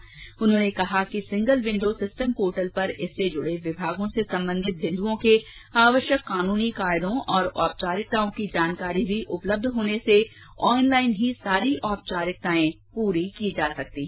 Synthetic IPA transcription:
ʊnɦõːnekɐɦakisɪ̃ŋɡəlʋɪ̃ɳɖoːsɪsʈəmpoːʈəlpɐɾɪsːed͡ʒʊɽeʋɪbʱaːɡõsesɐ̃mbə̃nd̪ʱɪt̪̚bɪ̃ɳd̪uõkeaːʋəʃjəkːaːnuːnikaːɪd̪õʔɔːɾɔːp̚t͡ʃaːɾɪk̚t̪aːõkid͡ʒaːnkaːɾibʱiʔʊpləb̚d̪ʱɦoːnese | ɔːnlaːɪnɦisaːɾiʔɔːp̚t͡ʃaːɾɪk̚t̪aːẽ | puːɾikid͡ʒaːsɐk̚t̪iː

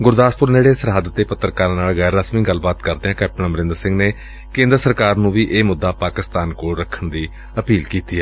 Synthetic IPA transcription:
ɡʊɾd̪aːspʊɾneːɽeːsəɾɦaːd̪ət̪ːeːpət̪ːəɾkaːɾãːnaːlɣɛːɾːaːsmiːɡəlːbaːt̪kəɾd̪eːãːkɛːp̚ʈəɳãːməɾɪ̃nd̪əɾsɪ̃ŋɡneː | kẽːnd̪əɾsəɾkaːɾnũːʋiːʔeːmʊd̪ːaːpaːkɪst̪aːnkoːɽɾəkʰːəɳd̪iː | əpiːlkiːt̪iːɛː

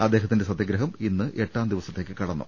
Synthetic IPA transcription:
ɐd̪ːe̞ːɦɐt̪ːindesɐd̪jɐɡɾɐɦɐminːɨʔe̞ʈːaːmd̪iʋɐsɐt̪ːe̞ːkːɨkɐɽɐnːṵ

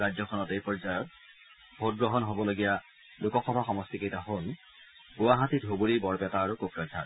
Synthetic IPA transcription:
ad͡ʑzɔkʰɔnɔtejpɔɹzajɔt̚ | bʱot̚ɡɹɔɦɔnɦobɔloɡija | lʊkɔxɔbʱaxɔmɔstikejtaɦon | ɡuwaɦatitɦobuɹibɔɹpɛtaːɹukokɹɔdʱa̰ɹ

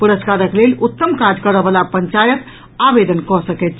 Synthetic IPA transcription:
puɾəskaɾəklelut̪ːəmkad͡ʒkəɾəbəlapəɲt͡ʃajət̪ | abed̪ənkɔsəkɛt̪̚t͡ʃʰ

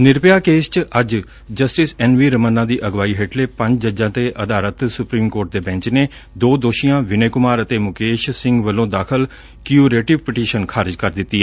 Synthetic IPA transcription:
nɪɾpɪjaːkeːst͡ʃəd͡ʒ | d͡ʒəsʈɪsɛːnʋiːɾəmənːãːd̪iːʔəɡʋaːiːɦeːʈleːpəɲd͡ʒd͡ʒəd͡ʒãːt̪eːʔəd̪aːɾət̪sʊpɾiːmkoːɾʈ̚d̪eːbɛ̃ːɲt͡ʃneː | d̪oːd̪oːʃijãːʋɪneːkʊmaːɾət̪eːmʊkeːʃsɪ̃ŋɡʋəlːõːd̪aːkʰəl | kjuːɾeːʈɪʋpɪʈiːʃənkʰaːɾd͡ʒkəɾd̪ɪt̪ːiːɛː

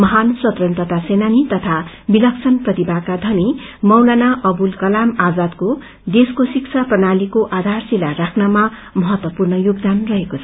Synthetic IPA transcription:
mʌɦansʌt̪rʌnt̪ʌt̪asenanit̪ʌt̪ʰa | bilʌkt͡sʰʌnprʌt̪ibakad̪ʱʌnimʌwlanaʔʌbulkʌlamad͡zad̪ko | d̪eskosikt͡sʰaprʌnalikoʔad̪ʱarsilarakʰnama | mʌɦʌt̪wʌpurnʌjoɡd̪anrʌɦekot͡sʰʌ̥

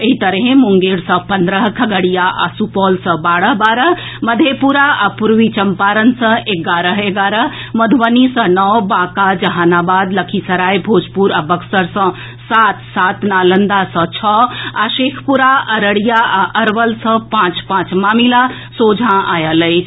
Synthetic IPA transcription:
eɦit̪əɾɦẽmuŋɡeɾsə̃pənd̪ɾəɦkʰəɡəɽijaʔa̰supɔlsə̃baːɽəɦbaɾəɦ | məd̪ʱepuɾaapuɾʋit͡ʃəmpaɾənsə̃eɡaɾəɦeɡaɾəɦ | məd̪ʱʋənisə̃nɔwbãkad͡ʒəɦanabad̪ləkʰisəɾajbʱod͡ʒpuɾabəksəɾsə̃ | sat̪sat̪nalənd̪asə̃t͡ʃʰɔaʃekʰpuɾaəɾəɽijaaʔəɾʋəlsə̃pãt͡ʃpãt͡ʃmaːmila | sod͡ʒʱãʔajələjt͡ʃʰ

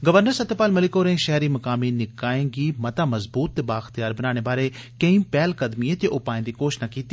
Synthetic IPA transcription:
ɡəʋəɾnəɾsət̪ːeːpaːlmɐlɪkoːɾẽːʃɛɦɾiːmɐkaːmiːnɪkaːẽːɡiːmɐt̪aːməzbuːt̪ːebaːxt̪ijaːɾbənaːɽ̃eːbaːɾeːkə̃ĩːpɛːlkəd̪miet̪eʔʊpaːẽːd̪iːkoːʃnaːkiːt̪iː

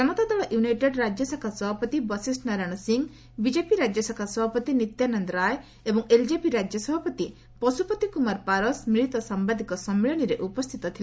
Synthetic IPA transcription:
d͡ʒɔmɔt̪ad̪ɔɭɔʔjunajʈeɖɾad͡ʒjɔsakʰasɔbʱɔpɔt̪ibɔsisʈnaɾaɽ̃ɔsiŋ | bid͡ʒepiɾad͡ʒjɔsakʰasɔbʱapɔt̪init̪janɔnd̪ɾaj | ebɔŋeld͡ʒepiɾad͡ʒjɔsɔbʱɔpɔt̪i | pɔsupɔt̪ikumaɾpaɾɔsmiɭit̪ɔsambad̪ʱikɔsɔmːiɭɔɽ̃iɾeʔupɔst̪ʰit̪ɔt̪ʰili

